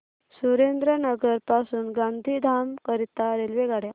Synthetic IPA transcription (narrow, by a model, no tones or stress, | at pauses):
suɾend̪ɾənəɡəɾpasuːnɡãnd̪ʱiːd̪ʱamkəɾit̪aɾelʋeɡaɽja